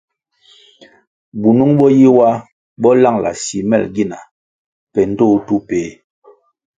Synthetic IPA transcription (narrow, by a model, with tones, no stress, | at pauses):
bu˨nu˦ŋɓɔ˦ji˦wa˦ | bɔ˦la˦˨ŋla̰˨si˨mɛ̰˦˨lɡi˦na˨ | pɛ˨n̩˦to˦˨tu˦peː˨˦